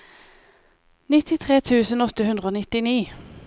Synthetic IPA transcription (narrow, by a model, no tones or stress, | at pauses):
nɪt̪ɪt̪ʰʁeːt̪ʰʉːsənɔt̪əhʉnd̪ʁəoːnɪt̪ɪniː